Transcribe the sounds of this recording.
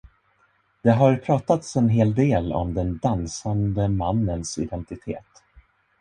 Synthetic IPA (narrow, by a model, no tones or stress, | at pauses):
d̪̥ɛɦaɾpʰɾɑːt̪at̪sɛnɦeːld̪eːlɔ̰md̪ɛnd̪ansand̪əmanːənsɪ̰d̪ɛnt̪ɪt̪ʰḛːt̪